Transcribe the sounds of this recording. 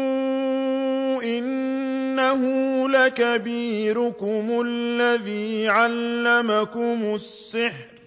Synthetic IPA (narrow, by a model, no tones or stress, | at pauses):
ʔɪnː | aɦʊlakabiːɾʊkʊmʊalːaðiːʕalːamakʊmʊsːɪħɾ